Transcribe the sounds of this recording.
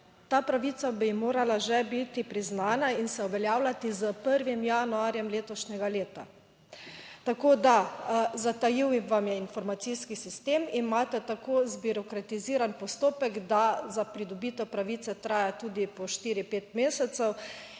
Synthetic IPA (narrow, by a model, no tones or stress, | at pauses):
t̪aːpɾaʋit̪sabimoːɾalaʒɛbit̪ipɾiznaːnainsɛuʋɛljaːwlat̪izəpəɾʋimjanuaːɾjɛmleːt̪ɔʃɲɛɡaleːt̪a̰ | t̪akoːd̪azat̪ajiwʋamjɛinfɔɾmat̪siːskisist̪eːminmaːt̪ɛt̪akozbuɾɔkɾat̪iziːɾanpɔst̪oːpɛɡd̪azapɾid̪ɔbiːt̪ɔpɾaʋiːt̪sɛt̪ɾaːjat̪uːd̪ipɔʃt̪iːɾipeːt̪meːsɛt̪sɛw